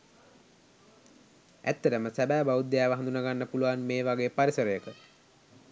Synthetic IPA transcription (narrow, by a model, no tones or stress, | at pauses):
æ̰t̪ːəʈəməsæbæːbaud̪ejaːʋəɦand̪unaɡanːəpuluʋanmeːʋaɡeːpaɾisəɾəjəkə